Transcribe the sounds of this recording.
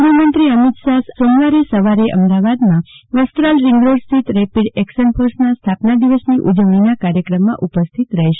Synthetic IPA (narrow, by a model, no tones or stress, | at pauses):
ɾumənt̪ɾiəmit̪sassonʋaɾesəʋaɾeʔə̰md̪aʋad̪mãʋəst̪ɾalɾiŋɡɾoɽsiʈ̪ɾɛpiɽɛkʃənpʰəɾsnast̪ʰapnad̪iʋəsniʔud͡ʒəʋɽinakaɾjəkɾəmːã̰ʔupəst̪ʰit̪ɾəɦiʃe̥